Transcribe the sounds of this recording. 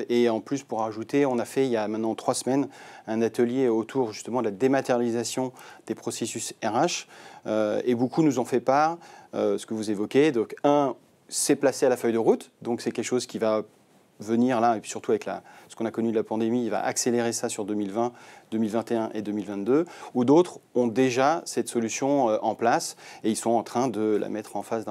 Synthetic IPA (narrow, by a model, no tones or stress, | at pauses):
eɑ̃plyspuʁaʒut̪eɔ̃nafɛiljamɛ̃t̪nɑ̃t̪χwasmɛnɛ̃nat̪əljeot̪ʰuʁʒyst̪əmɑ̃d̪əlad̪emat̪ɛʁjalizasjɔ̃d̪̥epχɔsesysɛʁaʃøebokunuzɑ̃fɛpaʁøsə̥kəvuzevɔkʲed̪ɔ̃kɛ̃ | sɛplasealafœjd̪əʁut̪d̪ɔ̃ksɛkʲɛlkʃozkʲiva | vəniʁlaepɥi̥syʁt̪uavɛkla̰sə̥kɔ̃nakɔnyd̪lapɑ̃d̪emiːlva̰ʔakseleʁesasyʁd̪ømilvɛ̃d̪̥ømilvɛ̃t̪eɛ̃ʔed̪ømilvɛ̃t̪d̪øud̪ot̪χɔ̃d̪eʒasɛt̪sɔlysjɔ̃øʔɑ̃plaseilsɔ̃ɑ̃t̪χɛ̃d̪əla̰mɛt̪χɑ̃fasd̪̃